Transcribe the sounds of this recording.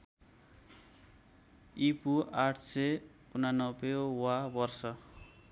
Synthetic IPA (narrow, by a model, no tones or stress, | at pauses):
ipuaʈʰse | unanʌbewabʌrsʌ